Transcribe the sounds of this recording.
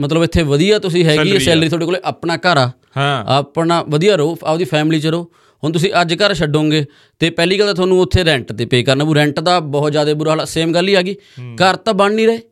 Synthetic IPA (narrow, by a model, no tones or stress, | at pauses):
mət̪̬ləbɪt̪ʰːeːʋəd̪ijaːt̪ʊs̬ĩːɦɛːɡiːɛːsɛːlɾiːt̪ʰoːɖeːkoːleːʔapɳaːkəɾaː | əpnaːʋəd̪ijaːɾoːaːd̪iːpʰɛːmliːt͡ʃəɾoː | ɦʊnt̪ʊs̬ĩːʔəd͡ʒkəɾʃəɖõːŋɡeː | t̪eːpɛːliːɡəld̪aːt̪ʰaːnũːʊt̪ʰːeːɾɛ̃ɳʈd̪eːpeːkəɾnaːbuːɾɛ̃ːɳʈd̪aːbɔːt̪d͡ʒjaːd̪eːbʊɾaːlaseːmɡəlːiːɛːɡiːkəɾt̪ãːbənniːɾəeː